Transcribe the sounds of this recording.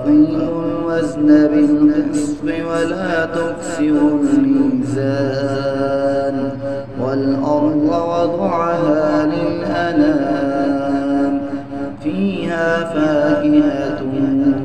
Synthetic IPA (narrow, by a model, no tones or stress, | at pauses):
ʔɪːlʊlwaznabɪlhʊsbɪwalaːt̪ʊksɪɾʊlmiːzaː | n | walʔɑɾˤd̪ˤwɑd̪ˤʕaɦaːlɪlʔanaː | n | fiːhaːfaːʔɪɦa